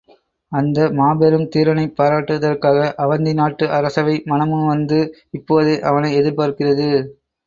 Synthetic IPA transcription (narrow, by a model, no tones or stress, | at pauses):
ɐnd̪ɐmaːbɛɾɯmt̪iːɾʋɐnɐɪpːaːɾaːʈːɯðɐrkaːɣɐʔɐʋɐnd̪ɪnaːʈːɯʔɐɾɐsɐʋɐɪmɐnɐmɯmʋɐnd̪ɯɪpːoːðɯʔɐʋɐnɐɪɛðɪɾpaːɾkɪrɐðɯ